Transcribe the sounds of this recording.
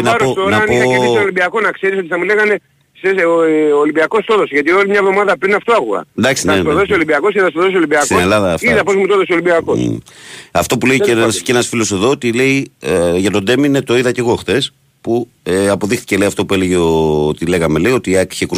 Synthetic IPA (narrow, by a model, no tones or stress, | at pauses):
nɐpost̪nɐɐnioɐisoolimbiɐko̞nɐkseɾiso̞t̪iθɐmuleɣɐne̞ | sesooːlimbiɐko̞st̪oðosʝɐt̪iolimɲɐevðo̞mɐðɐpɾinɐft̪oɐkuɣɐ̰nd̪ɐksineoðosolimbiɐko̞sceθɐst̪oðo̞s̬iolimbiɐskt̪inelɐðɐftiiðɐpo̞zmut̪oðosolimbiɐko | ɐft̪o̞puleieɐsceenɐsfilo̞seðo̞ot̪ile̞iʝɐt̪o̞d̪e̞mine̞t̪o̞iðɐce̞ɣo̞xθe̞s | pu | ɐpoðixθi̥celeiɐft̪o̞pueleʝeot̪ile̞ɣɐme̞le̞io̞t̪iɐkçeku